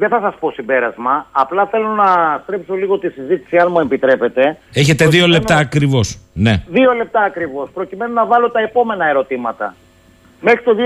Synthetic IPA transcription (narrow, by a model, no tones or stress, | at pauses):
ðe̞θɐsɐspo̞simbe̞ɾɐzmɐːplɐθe̞lo̞nɐst̪ɾe̞pso̞liɣo̞t̪isizit̪i̥siɐnmue̞mpit̪ɾe̞pe̞t̪e̞e̞çet̪eðio̞lep̚t̪ɐːkɾivo̞sneðio̞le̞p̚t̪ɐːkɾivo̞spɾo̞cime̞nonɐvɐlo̞t̪ɐepo̞me̞nɐe̞ɾo̞t̪imɐt̪ɐ̰ | me̞xɾit̪oði